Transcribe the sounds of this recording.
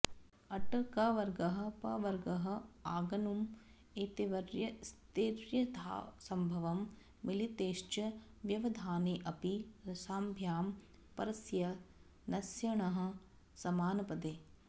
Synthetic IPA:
ɐʈɐɾkaːʋɐɾɡɐɦɐ̆pɐʋɐɾɡɐɦɐ̆aːɡɐnum | eːt̪eʋɐɾjɐst̪eːɾjɐd̪ʰʱa̰ːsɐmbʱɐʋɐmː | ilit̪eːʃt͡ʃɐ | ʋjɐʋɐd̪ʱaːneːʔɐpiɾɐsaːmbʱjaːm | pɐɾɐsjɐ | nɐsjɐɳ̃ɐɦɐ̆ | sɐmaːnɐpɐd̪eː

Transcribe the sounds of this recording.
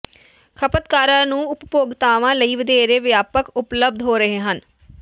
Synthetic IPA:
kʰəpət̪kaːɾãːnũːʊppoːɡt̪aːʋãːləiːʋəd̪eːɾeːʋjaːpəkʊpləb̚d̪ɦoːɾəɦeːɦən

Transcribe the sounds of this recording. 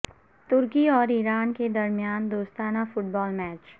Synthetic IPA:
t̪ʊɾkiɔːɾiːɾaːnked̪ɐɾmijaːnd̪oːst̪aːnafʊʈ̚bɔːlmɛːt͡ʃ

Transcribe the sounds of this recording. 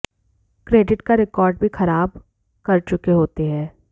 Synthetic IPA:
kɾeːɖɪʈkaɾɪkɔːɾɖbʱixɐɾaːb | kɐɾt͡ʃʊkeɦoːt̪eɦɛ̃ː

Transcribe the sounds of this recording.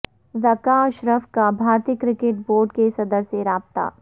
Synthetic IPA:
zɐkaʃɾəfkabʱaːɾt̪ɪkɾɪkeʈ̚boːɾɖkesɐd̪əɾsjeɾaːbt̪a̰ː

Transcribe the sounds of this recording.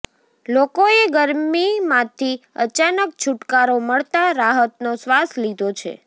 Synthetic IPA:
lokoeɡəɾmimãt̪ʰiə̰t͡ʃanək̚t͡ʃʰʊʈkaɾoməɭt̪aɾaɦət̪nosʋaslid̪ʱot͡ʃʰḛ

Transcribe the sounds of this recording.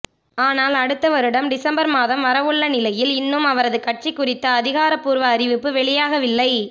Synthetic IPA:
aːnaːlɐɽɯt̪ːɐʋɐɾɯɽɐmɖɪsɐmbɐɾmaːðɐmʋɐɾɐʋɯɭːɐnɪlɐjɪlɪnːɯmɐʋɐɾɐðɯkɐʈ̚t͡ʃikːʊrɪt̪ːɐːðɪɣaːɾɐpːuːɾʋɐːɾɪʋɪpːɯʋɛɭɪjaːɣɐʋɪlːɐɪ

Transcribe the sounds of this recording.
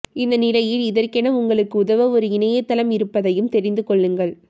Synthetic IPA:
ɪnd̪ɐnɪlɐjɪlɪðɐrkɛnɐʊŋɡɐɭɯkːɯʊðɐʋɐɔɾɯɪnɐjɐt̪ːɐlɐmɪɾɯpːɐðɐjɯmt̪ɛɾɪnd̪ɯkɔɭːɯŋɡɐɭ

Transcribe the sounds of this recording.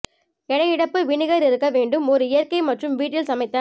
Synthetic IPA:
ɛɽɐjɪɽɐpːɯʋɪɳɪɣɐɾɪɾɯkːɐʋeːɳɖɯmɔɾɯɪjɐɾkɐɪmɐʈrɯmʋiːʈːɪlsɐmɐɪt̪ːɐ

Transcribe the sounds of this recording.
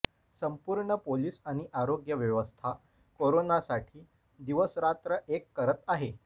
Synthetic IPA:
səmpuːɾɳəpoliːsaɽ̃iʔaɾoɡjəʋjəʋəst̪ʰa | koɾonasaʈʰiː | d̪iʋəsɾat̪ɾəʔekːəɾət̪aɦe

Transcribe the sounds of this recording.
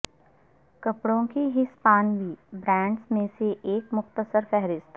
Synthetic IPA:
kɐpɽõkiɦispaːnbibɾɛ̃ːɳɖsmẽseʔeːkmʊxt̪əsəɾfɛɦɾɪst̪

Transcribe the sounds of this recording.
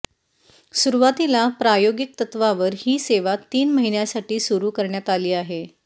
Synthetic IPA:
suɾuʋat̪ilapɾajoɡik̚t̪ət̪ʋaʋəɾhiːseʋat̪ːiːnməɦinjasaʈiːsuɾuːkəɾɳjat̪aliːaɦe

